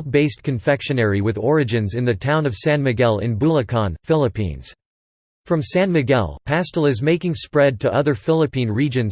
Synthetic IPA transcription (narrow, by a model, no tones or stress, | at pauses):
beɪstkʰɨ̃ɱfɛkʃɨnɛɹiwɨðɔɹɨd͡ʒɨ̃nzɨ̃nðɨtʰãʊ̃nʌv̥sæ̃nmɨɡɛlˠɪ̰̃nbulˠəkʰɑ̃nfɪlˠəpḭ̃nz̥ | fɹʌ̃msæ̃nmɨɡɛ̰lˠpʰæstl̩ˠɨzmeɪkɪ̃ŋspɹɛd̚tʰɨʔʌðə˞fɪlˠəpĩnɹid͡ʒɨ̃nz